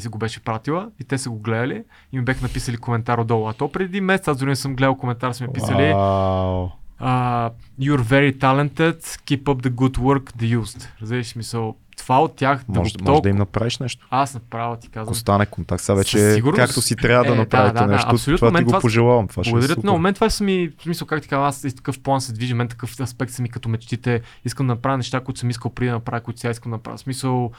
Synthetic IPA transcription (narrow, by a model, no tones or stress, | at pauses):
isəɡobɛʃɛ̥pɾat̪ilˠəit̪ɛsəɡoɡlɛd̪ɐli | imibʲaxənɐpisəlikomɛnt̪aɾod̪ɔlˠʊɐt̪ɔpɾɛd̪imɛsɛt̪sazd̪ɾinɛsəmɡlɛd̪əlˠkomɛnt̪aɾsmɛnpiəli | əjuɾvɛɾit̪alɛnt̪ɛt̪kipəp̚d̪əɡud̪wəɾkd̪əjuzt̪ɾɐzviʃsmisəlˠ | t̪ovaot̪ʲːjaxmɐɔɡmod̪ɐimnɐpɾaviʃnɛʃt̪o̥asnɐpɾavˠt̪i̥kazvoɐmst̪anɛkont̪akt̪savɛt͡ʃɛssiɡuɾnkakt̪osit̪ɾʲjavəd̪ɐnɐpɾavid̪ɛnɛaʃtɐosolʲut̪vamɛiɡoapoʒɛlˠavɐmt̪vaɡʊd̪ɐɾət̪nmomɛnt̪ːvat͡ʃsəmismisəlˠkakt̪ikavasit̪ɐ̥kɤfplˠansɛd̪viʒimmɛnt̪̬ɐ̥kɤfɐspɛk̚t̪səmikɐt̪ɔmɛt͡ʃt̪it̪ɛ | is̬kəmd̪ɐnɐpɾavənɛʃt̪akoit̪ʊsəmiskəlˠpɾid̪ɐnɐpɾavəkoʊit̪ʊ̥siaiskəmd̪ɐnɐpɾa̰v̰ʲsmisəlˠ